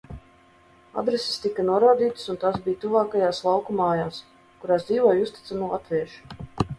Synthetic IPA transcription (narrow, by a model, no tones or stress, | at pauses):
a̰d̪ɾesi̥st̪ikːanuɔɾaːd̪iːt̪sunt̪asbiːjt̪uvaːkajaːslˠawkumaːjaːs | kuɾaːsd̪ziːvɔjust̪it̪sanulˠat̪vʲiɛʃu̥